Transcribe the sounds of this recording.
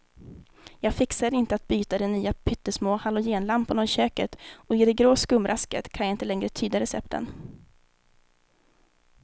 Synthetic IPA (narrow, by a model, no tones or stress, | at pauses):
jɑːɡfɪksad̪ɪnt̪əat̪̚byːt̪ad̪ɛnːyːapʰʏt̪ːəʂmoːhalʊjeːnlampʊnaɕøːkət̪ɔɪd̪ɛɡɾoːskɵmːɾʔaskə̰t̪kʰanjaɪnt̪əlɛŋɾət̪ʰyːd̪aɾɛsɛ̰p̚t̪ə̰n